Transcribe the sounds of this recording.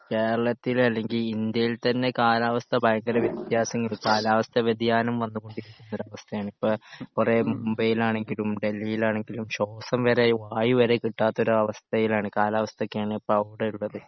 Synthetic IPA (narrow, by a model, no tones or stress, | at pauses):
ke̞ːɾɐɭɐt̪ːilɐlːe̞ŋɡilind̪jɐjilt̪ɐnːe̞kaːlaːʋɐst̪ʰɐbʱɐjɐŋɡɐɾɐʋjɐt̪jaːsɐŋːɐlkaːlaːʋɐst̪ʰɐʋed̪ʱijaːnɐmʋɐnːuɣo̞ɳɖiɾikʲːunːoɾɐʋɐst̪ʰɐjaːɳipːoːkuremumbɐjilaːɳe̞ŋɡilumɖe̞lːijilaːɳe̞ŋɡilumɕo̞ːsɐmʋɐɾe̞ʋaːjiʋɐɾe̞kiʈːaːt̪ːo̞ɾuɐʋɐst̪ʰɐjilaːɳɨkaːlaːʋɐst̪ʰɐkʲːejaːɳɨipːoɐʋiɽeuɭːɐðɨ